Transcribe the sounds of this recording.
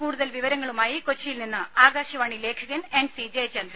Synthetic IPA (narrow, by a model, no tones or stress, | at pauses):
kuːɽuðɐlʋiʋɐɾɐŋːɐɭumaːjiko̞t͡ɕːɐjilninːɨaːɡaːɕɐʋaːɳile̞ːkʰɐɣɐne̞nsid͡ʑet͡ɕend̪ɾɐ